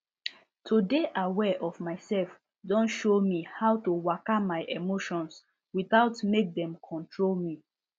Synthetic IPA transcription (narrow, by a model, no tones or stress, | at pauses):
tʰodeʔawɛʔɔvmaɪsɛlf | dɔ̃nʃomihaʊtuwakamaɪʔemoʃɔ̃ns | wiθaʊtmek̚dɛ̃mkʰɔ̃ntʰɹolmi